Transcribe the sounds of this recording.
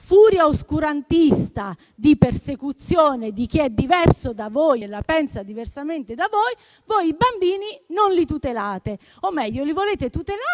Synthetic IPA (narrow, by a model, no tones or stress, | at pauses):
fuːɾjaoskuɾant̪ist̪a | d̪ipersekut̪sːjoːned̪ik̟iɛd̪ːivɛrsod̪avɔjlapɛnsad̪iversament̪ed̪avɔj | vojibambiːninonlit̪ut̪elaːt̪e | omːɛʎːolivoleːt̪et̪ut̪ela